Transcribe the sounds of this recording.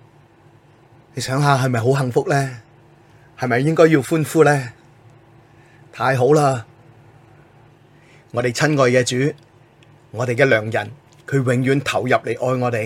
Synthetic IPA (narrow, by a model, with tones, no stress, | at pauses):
ne˨˧jsœː˨˥ŋɦaː˨ɦɐ˨jmɐ˨jɦo˨˥wɦɐ˨˩ŋfʊ˥k̚lɛː˥ | hɐ˨jmɐ˨jːɪ˥ŋkɔː˥jiː˧wfuː˥nfuː˥lɛː˥ | t̪ʰaː˧jɦo˨˥wlaː˥ | ŋɔː˨˧t̪e˨jt͡sʰɐ˥nŋɔː˧jkɛː˧t͡ʃyː˨˥ | ŋɔː˨˧t̪e˨jkɛː˧lœː˨˩ŋjɐ̰˨˩n | kʰɵ˨˧ɥwɪ˨˥ŋjyː˨˥nt̪ʰɐ˨˩wjɐ˨p̚le˨˩jʔɔː˧jŋɔː˨˧t̪e˨